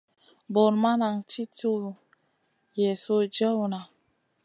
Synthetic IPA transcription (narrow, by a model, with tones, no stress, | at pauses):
bo˨ɾma˦na˨ŋt͡ʃi˦to˦ | jɛ˨so˦d͡ʒə˦wna˨